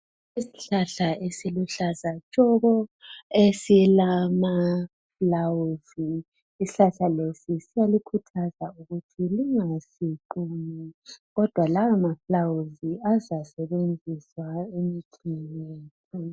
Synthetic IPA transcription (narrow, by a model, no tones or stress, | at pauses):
isi̥ɬaɬaesiluɬazat͡ʃʼɔɣɔesilama | flawuziː | si̥ɬaɬalesisijalikʰutʰazauɣutʰiliŋasiǃuːmɛɣɔd̥ʱwalawamaflawuziazasɛβend͡zʱiswaemikʰinɛːtʰɔ